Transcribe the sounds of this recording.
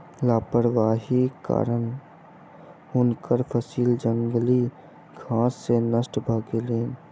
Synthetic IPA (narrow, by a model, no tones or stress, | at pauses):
laːpəɾwaːɦika̰ːɾən | ʊnkəɾpʰəsiːld͡ʒə̃ŋɡli | ɡʱãːsːenəsʈbʱəːɡeleːn